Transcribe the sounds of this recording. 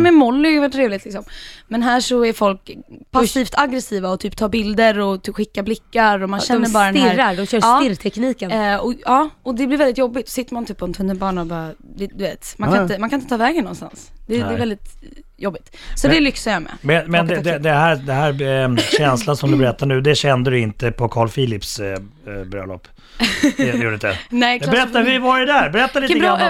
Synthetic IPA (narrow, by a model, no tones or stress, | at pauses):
mɛmɔlːɪajvɛʈ̪ʰːɾeːvlɪt̪lɪksɔmmɛnɦæːʂɔæɾfɔlkpʰassːiːft̪ʰaɡɾɛsiːvaɔt̪ʰyːpt̪ʰɑːbɪld̪əɾɔt̪ʰːɧɪkːablɪkːaɾɔmanɕɛnːəɾbɑːɾd̪ɛɪɾɾːad̪ɔɕœːɑːɪɾt̪ʰɛkniːkənɔɑːɔd̪ɛblɪɾvɛld̪ɪt̪jɔbːɪt̪sɔ̥sɪt̪ːəɾmant̪yːpːɔɛnt̪ʰɵnːəlbɑːɳaɔbɑːɾad̪ɛd̪ɵveːt̪manʰanɪt̪əmankanɪt̪ət̪ʰɑːvɛːɡənːɔnst̪a̰nsd̪̥ɛɛːvɛld̪ɪt̪ | jɔbːɪt̪sɔd̪ɛlʏksajamɛ̰mɛnmɛnd̪ɛd̪ɛd̪ɛɦæd̪ɛɦæɾɕɛnslansɔmd̪ɵbɛɾɛt̪ːaɳʉ̟ːd̪ɛɕɛnd̪əd̪ɪnt̪əpʰɔkʰɑːɭfiːlɪps | bɾœ̰lɔ̰pː | juːɾəɪt̪d̪ɛnɛkd̪bɾɛt̪ːavɪvɑɾɛd̪æɾbɛɾɛt̪ːalit̪ɾ